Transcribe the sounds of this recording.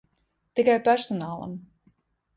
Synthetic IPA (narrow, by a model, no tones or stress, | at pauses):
t̪ikajpæɾsɔnaːlˠa̰m